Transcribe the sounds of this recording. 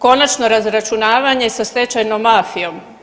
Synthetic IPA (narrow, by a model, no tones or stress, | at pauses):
ko̞nat͡ʃno̞ɾazɾat͡ʃunaːʋaɲe̞sast̪e̞t͡ɕajnomːaːfijo̞m